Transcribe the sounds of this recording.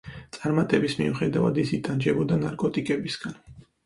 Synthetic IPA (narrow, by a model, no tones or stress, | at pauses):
t̪sʼaɾmat̪ʼɛbismḭuχɛd̪avad̪isit̪ʼand͡ʒɛbɔd̪anaɾkʼɔt̪ʼikʼɛbisɡ̥an